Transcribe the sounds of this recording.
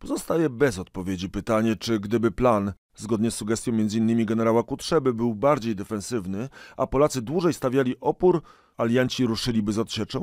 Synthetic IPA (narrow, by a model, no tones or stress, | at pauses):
pɔzɔst̪ajɛbɛzɔt̪̚pɔvʲjed͡ʑipɘt̪aɲɛt͡ʂɘɡd̪ɘbɘplan | zɡɔd̪ɲɛsːuɡɛst̪ʲjɔ̃mʲɛnzɘinːɘmʲiɡɛnɛɾawakut̪ʂɛbɘbɘwbaɾd͡ʑejd̪ɛfɛ̃nsɘvnɘʔapɔlat̪sɘd̪wuʐɛjst̪avʲjalʲiʔɔpuɾ | alʲjaɲt͡ɕiɾuʂɘlʲibɘzɔt̪ɕɛt͡ʂɛ̃w̃